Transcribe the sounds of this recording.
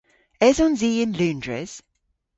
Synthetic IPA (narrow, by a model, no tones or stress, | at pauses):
ɛzɔ̃nziːɪ̃nlʉ̃ːndɹə̰z̥